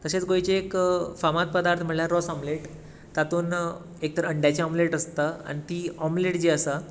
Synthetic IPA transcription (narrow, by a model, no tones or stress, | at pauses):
kəɕet͡sɡojt͡ɕeːkfamat̪̚pəd̪aɾt̪ʰməɳljaɾɔsɔmleʈ | t̪at̪uːn | ek̚t̪əɾəəɳɖjat͡ɕeɔmleʈəst̪aa̰nit̪iːɔmleʈd͡ʑeːəsa